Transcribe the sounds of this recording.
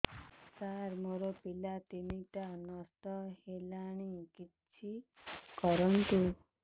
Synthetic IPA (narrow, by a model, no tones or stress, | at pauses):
saɾmoɾɔpilat̪iniʈanɔst̪ɔhelaɽ̃ikitt͡ʃʰi | kɔɾɔnt̪u